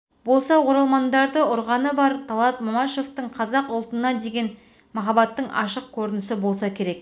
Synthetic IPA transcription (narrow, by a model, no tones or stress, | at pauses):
bo̞lˠsɑwo̞ɾɑlˠmɑnd̪ɑɾd̪əʊɾʁɑnəbɑɾt̪ʰɑlˠɑt̪momɑʃo̞ft̪əɴqʰɑzɑqʊlˠt̪ənɑd̪e̞ɡʲe̞n | mɑχɑbɑt̪ːəɴɑ̰ʃəq̚kʲʰɵɾɪnɪsɪbo̞lˠsɑkʲʰe̞ɾe̞k